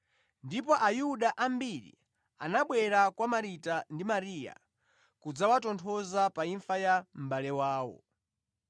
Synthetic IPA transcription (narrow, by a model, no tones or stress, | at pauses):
ndipɔʔajuɗaʔambiɾḭ | a̰naɓwɛɾakwamaɾitandimaɾiːja̰ | kud͡zawatɔntʰɔzapaiɱfajam̩ɓalɛwaːwɔ̰